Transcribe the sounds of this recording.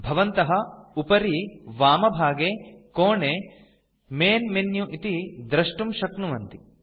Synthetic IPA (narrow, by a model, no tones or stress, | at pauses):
bʱɐʋɐnt̪ɐɦɐupɐɾiʋaːmɐbʱaːɡeːkoːɳeː | meːnmenjuʔit̪id̪ɾɐʂʈumʃɐknuʋɐnt̪i